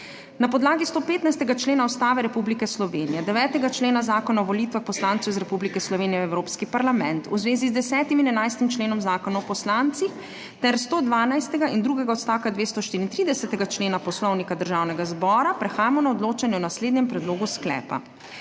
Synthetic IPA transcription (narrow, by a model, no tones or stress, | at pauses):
napɔd̪laːɡist̪oːpeːt̪najst̪ɛɡat͡ʃleːnaɔst̪aːʋɛɾɛpublikɛslɔʋeːnijɛd̪ɛʋɛːt̪ɛɡat͡ʃleːnazaːkɔnaɔʋɔlit̪ʋaxpɔslaːntsɛwizɾɛpublikɛslɔʋeːnijɛwɛwɾoːpskipaɾlamɛnt̪uzʋeːzizd̪ɛsɛːt̪iminɛnajst̪imt͡ʃleːnɔmzaːkɔnaɔpɔslant̪six | t̪ɛɾst̪oːd̪ʋaːnajst̪ɛɡaind̪ɾuɡɛɡaɔt̪st̪aːwkad̪ʋeːst̪ɔʃt̪iɾint̪ɾiːd̪ɛsɛt̪ɛɡat͡ʃleːnapɔslɔwnikad̪əɾʒaːwnɛɡazbɔːɾapɾɛxaːjamɔnaɔd̪loːt͡ʃanjɛwnasleːd̪nɲɛmpɾɛd̪loːɡusklɛ̰ːpa̰